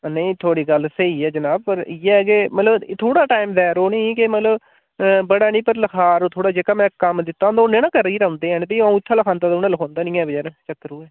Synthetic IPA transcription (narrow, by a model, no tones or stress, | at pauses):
nə̃ĩːt̪ʰoːɽiːɡəlsəiːɛːd͡ʒənaːb̚pəɾɪːɛkɪmət̪ləbt̪ʰoːɽaːʈaːɪmd̪ɛːɾoːnĩːkɪmət̪ləb | bəɽaːnĩːpəɾləkʰaːɾot̪ʰoːɽaːd͡ʒeːkaːmɛ̃ːkəmd̪ɪt̪ːãːnd̪aoːnɪnə̃kəɾiːɾəʊ̃nd̪eːɛ̃ːnp̪əiaũːɪt̪ʰːãːləkʰaːnt̪aːt̪ːʊnãːləkʰõːnd̪aːnĩːɛ̃ːbəd͡ʒaːɾẽt͡ʃəkːəɾoːɛː